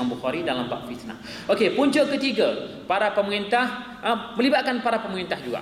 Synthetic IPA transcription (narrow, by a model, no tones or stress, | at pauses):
anbuxaɾidalambaʔfit̪na̰ | ʔokepuɲd͡ʒoʔkət̪iɡa | paɾapəməŋint̪ah | ʔəmə̃libat̪̚kanpaɾapəməŋint̪ahd͡ʒuɡa̰